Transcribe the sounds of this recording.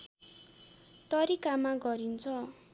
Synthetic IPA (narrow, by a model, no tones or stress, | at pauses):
t̪ʌɾikamaɡʌɾint͡sʰʌ